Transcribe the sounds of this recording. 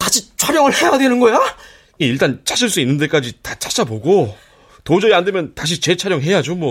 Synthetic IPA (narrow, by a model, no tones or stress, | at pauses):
kat͡ɕʰit͡ɕʰwaɾjʌŋɯɭhe̞jadwe̞nɯnɡʌjo | iiɭt͈ant͡ɕʰaɕʰiɭs͈uinːɯnd̬͈e̞k͈ad͡ʑitat͡ɕʰḁt͡ɕ͈aboɡo | tod͡ʑʌiande̞mjʌntaɕ̬ʰit͡ɕe̞t͡ɕʰaɾjʌŋɦe̞jad͡ʑomwʌ